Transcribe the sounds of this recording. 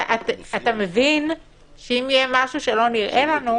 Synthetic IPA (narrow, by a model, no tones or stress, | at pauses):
ʔatat̪ame̞vin | ʃeimjemaʃuʃe̞lo̞niʁʔe̞lanu